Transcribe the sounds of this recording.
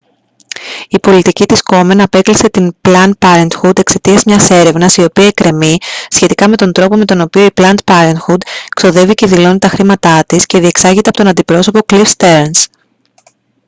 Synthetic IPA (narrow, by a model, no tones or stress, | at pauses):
ipo̞lit̪icit̪isko̞me̞nɐpe̞klise̞t̪inplɐnd̪̚pɐɾent̪xud̪e̞kse̞t̪iɐzmɲɐse̞ɾe̞vnɐsio̞piɐekɾe̞misçe̞t̪ikɐme̞t̪o̞nd̪ɾo̞po̞me̞t̪o̞no̞pio̞iplɐnt̪̚pɐɾent̪xud̪kso̞ðe̞viceðilo̞nit̪ɐxɾimɐt̪ɐt̪isce̞ðie̞ksɐʝit̪epot̪o̞nɐnd̪ipɾo̞so̞po̞klifst̪eɾns